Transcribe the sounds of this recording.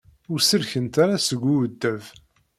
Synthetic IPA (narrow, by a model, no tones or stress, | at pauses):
ʊɾsəɾçənt̪aɾasəɡʷːuwəd̪ːæv